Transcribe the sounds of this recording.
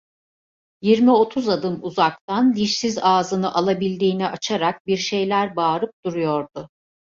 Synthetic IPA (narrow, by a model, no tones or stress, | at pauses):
jiɾmio̞t̪ʰuzad̪ɯmuzakt̪and̪iʃsizaːzɯnɯʔalˠabilʲd̪iːniʔat͡ʃʰaɾak̚biɾʃe̞jlʲæɾbaːɾɯp̚d̪̥uɾujo̞ɾd̪̥ʊ